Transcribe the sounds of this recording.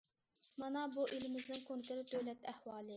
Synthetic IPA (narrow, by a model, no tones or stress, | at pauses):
mɑnɑbuʔilɪmɪznɪŋkʰoŋkʰɪlɪd̪øwlɛt̪ʰɛhwɑːlˠɨ